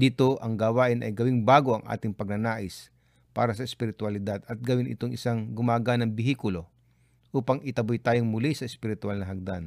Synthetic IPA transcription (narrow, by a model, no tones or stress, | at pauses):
d̪iːt̪oʔɐŋɡawaːʔɪnʔɐ̰jɡɐwɪŋbaːɡoɐŋʔa̰ːt̪ɪŋpɐɡ̚nɐnaːʔɪs | pa̰ːɾɐsɐɪspɪɾɪt̪ʊɐlɪd̪ad̪ɐt̪̚ɡɐwɪnʔɪ̰t̪oŋʔɪ̰saŋɡʊmaːɡanɐŋbɪɦiːkʊlo̞ | ʔuːpɐŋʔɪt̪ɐbʊjt̪aːjoŋmʊlisɐɪspɪɾɪt̪ʊalnɐɦɐɡ̚d̪an